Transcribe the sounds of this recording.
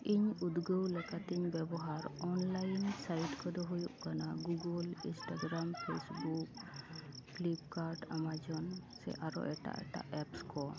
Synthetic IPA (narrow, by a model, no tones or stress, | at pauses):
iɲud̪ɡəwlɛkat̪iɲbɛbɔɦaɾɔnlajnsajʈkɔd̪ɔɦujuʔkanaɡuɡəlḭnsʈaɡɾampʰesbuk̚ | klip̚kaɾɖamad͡ʒɔnsɛ̰ʔaɾɔ̰ʔɛʈa̰ʔɛʈa̰ʔɛpskɔ